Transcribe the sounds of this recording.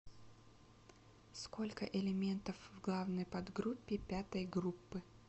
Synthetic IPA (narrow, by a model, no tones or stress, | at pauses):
sko̞lʲkəʔɪlʲɪmʲe̞nt̪əfvɡlˠavnəjpɐd̪ɡɾupʲːɪpʲat̪əjɡɾupːɨ